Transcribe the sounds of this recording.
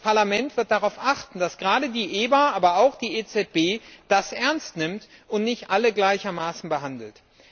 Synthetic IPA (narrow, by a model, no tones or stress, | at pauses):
pʰaɐlamɛntv̥ɪɐt̚d̥aʁaʊfʔaχtn̩d̥asɡ̥ʁaːdədiːʔeːbaʔaːbɐaʊxd̥iːeːt͡sɛt̚b̥eːd̥asʔɛɐnstnɪmtʔʊntnɪçtʔaləɡlaɪçɐmaːsn̩bəɦandl̩t